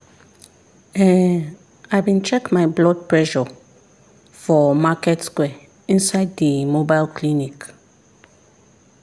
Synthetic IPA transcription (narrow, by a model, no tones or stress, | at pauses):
ɛ̃ | ajbĩnt͡ʃɛkmajblɔd̚pʰɹɛʃɔ | fɔmakɛtskwɛ | ĩnsaɪddəmobajlkʰlinik